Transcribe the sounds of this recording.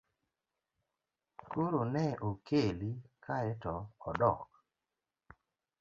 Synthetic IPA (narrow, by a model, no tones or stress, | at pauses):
koɾonɛʔokʰelikʰaɛtɔɔdɔ̰k̚